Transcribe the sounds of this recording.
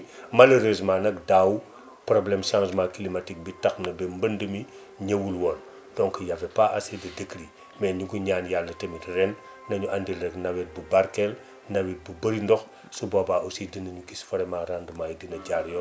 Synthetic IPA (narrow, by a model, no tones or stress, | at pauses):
malɐɾøs̬maːnɐk̚daw | problɛmʃãŋsmakilimatik̚bitaxnɐbɛmbəndəmi | ɲɐwulwɔn | dɔŋkjafɛpaʔasedɐdekɾi | mɛɲuɡuɲaːnjalːɐtɐmitrɛnː | ɐɲuʔandilrɛknɐwɛt̚bubaɾkɛl | nɐwɛt̚bubəɾindɔx | subobaʔosidinɐɲukisfɐɾɛmaɾandmajdinɐɟaɾjɔ